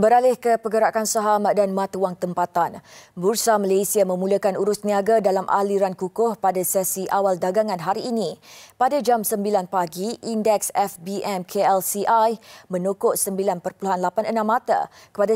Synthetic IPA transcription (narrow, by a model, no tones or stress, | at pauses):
bəɾalɪhkəpəɡəɾakansaɦamdanmãt̪waŋt̪əmpat̪anbursamalejsiamə̃muləkanuɾʊsniaɡadalamʔa̰liɾankukʊhpadasɛsiʔawaldaɡaŋãnɦaɾiːnĩpadad͡ʒamsəmbilanpaɡiʔindɛksɛfbiɛmkʰeɛlsiʔajmə̃nukoʔsəmbilanpərpuluɦanlapanənãmːat̪a̰ | kə̥pada